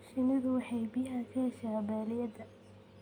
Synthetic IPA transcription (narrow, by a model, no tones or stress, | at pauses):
ʃɪnɐðʊwɑħɑjbijaːkʰɐhɛʃaːbaːlɪjɐd̪ɐ